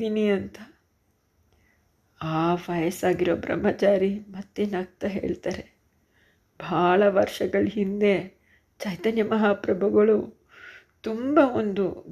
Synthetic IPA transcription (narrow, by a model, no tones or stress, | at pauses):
iːniɐnt̪ɐ | aːʋɐjɐsaːɡiɾoːbɾɐ̰mːɐt͡ʃaːɾimɐt̪ːenɐk̚t̪ɐɦe̞̰ːɭt̪aːɾe̞ | bʱaːɭɐʋɐɾʂɐɡɐɭɦind̪e̞ | t͡ʃɐjt̪ɐnjɐmɐɦaːpɾɐbʱɐɡɐɭu | t̪umbɐond̪u